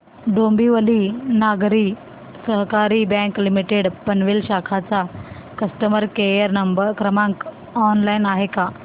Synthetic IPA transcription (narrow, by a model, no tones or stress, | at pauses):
ɖombiʋəlinaɡɾiː | səɦkaɾiːbɛ̃ŋklimiʈeɽpənʋilɕakʰat͡sakəsʈəməɾkejəɾnəmbəɾkɾəmãŋk | ɔnlainaɦeka